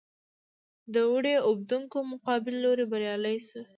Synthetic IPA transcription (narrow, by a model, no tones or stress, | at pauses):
d̪əwʊɽeʊb̚d̪uŋkomʊqɑbɪlːoɾebaɾjɑləjsu